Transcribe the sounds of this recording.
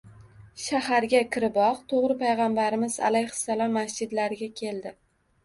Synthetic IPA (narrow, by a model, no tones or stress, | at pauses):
ʃahaɾɡʲakʲʰɪɾɪbɒqt̪ʰoʁɾɪpʰajʁɑmbaɾɪmɪza̰lajhʊ̥salɒmːasd͡ʒɪd̪laɾɪɡʲakʲʰe̞ld̪ɪ